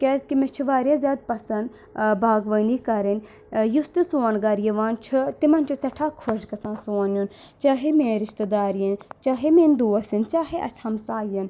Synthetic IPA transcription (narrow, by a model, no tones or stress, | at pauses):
kʲɛːskimet͡ʃʰuʋaːɾjaːzʲjaːd̪̚pɐsɐnd̪ | bʱaːɡʋɐnikɐɾinʲ | just̪isuːɐnɡɐɾjɐʋaːnt͡ʃʰut̪imɐnt͡ʃʰusɐʈʰaːkʰoʃkɐsãːnsoːnjun | t͡ʃaːɦemeːɾɪʃt̪ɐd̪aːɾjɐnt͡ʃaːɦemeːnd̪uːɐsint͡ʃaːɦeʔɐ̰sʲhɐmsaːjɐn